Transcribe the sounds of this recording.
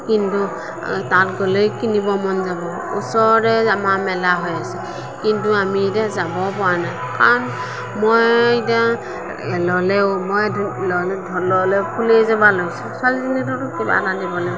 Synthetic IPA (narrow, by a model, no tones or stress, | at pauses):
kintu | tatɡɔlejkinibɔmɔnzabɔ | ṵsɔɹɾɛamamɛlaɦɔjasɛ | kintuamitazabɔpɔwanajkaɹɔn | mojita | lɔlɛmɔjʱlɔdʱlɔlɛpʰulezabalojsɛsalzinitɔtukiba̰nadibɔna